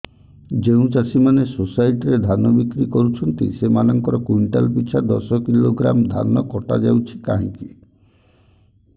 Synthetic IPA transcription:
d͡ʒeũt͡ʃasʰimanesosajʈiɾed̪ʱanɔbikɾikɔɾut͡ʃʰɔnt̪ḭsemanɔŋkɔɾɔkuɳʈa̰lpit͡ʃʰad̪ɔsɔkiloɡɾa̰md̪ʱa̰nɔkɔʈa̰d͡ʒawt͡ʃʰi̥ka̰ɦɔŋki

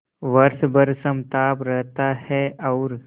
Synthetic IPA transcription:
ʋɐɾsbəɾsəmt̪aːpɾɛɦt̪ahɛʔɔːɾ

